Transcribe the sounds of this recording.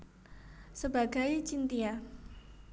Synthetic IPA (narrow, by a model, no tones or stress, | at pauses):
səbaɡajt͡ʃint̪ia